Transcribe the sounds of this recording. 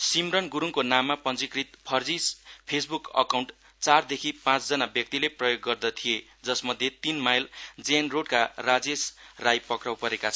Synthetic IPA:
simrʌnɡuɾuŋkonamːapʌnd͡zikrit̪pʰʌrd͡zispʰesbukʌ̰kawɳʈ | t͡sard̪ekʰipãt͡sd͡zʌnabjʌk̚t̪ileprʌjoɡːʌrd̪ʌt̪ʰije | d͡zʌsmʌd̪ʱjet̪inmajld͡zenroɽkarad͡zesrajpʌkrawpʌɾekat͡sʰʌ

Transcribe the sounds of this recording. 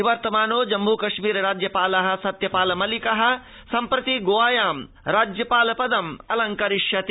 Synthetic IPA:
iʋɐɾt̪ɐmaːnoːd͡ʒɐmbuːkɐʃmiːɾɐɾaːd͡ʒjɐpaːlɐɦɐ̆sɐt̪jɐpaːlɐmɐlikɐɦɐ̆ | sɐmpɾɐt̪iɡoːʋaːjaːm | ɾaːd͡ʒjɐpaːlɐpɐd̪ɐmɐlɐŋkɐɾiʃjɐt̪i

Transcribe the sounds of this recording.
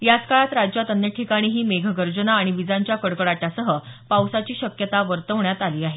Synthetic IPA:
jat͡skaɭat̪ɾad͡ʑjat̪ənjəʈʰikaɽ̃iːɦiːmeɡʱɡəɾd͡ʑənaːɽ̃iʋid͡zaɲt͡ɕjakəɽkəɽaʈjasəɦəpawsat͡ɕiːɕəkjət̪aʋəɾt̪əʋɳjat̪aliːaɦe

